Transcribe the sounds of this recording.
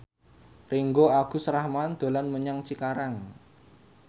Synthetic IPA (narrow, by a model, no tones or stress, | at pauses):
riŋɡoaɡ̥ṳsɾahmand̪̥o̤lanməɲaŋt͡ʃikaɾaŋ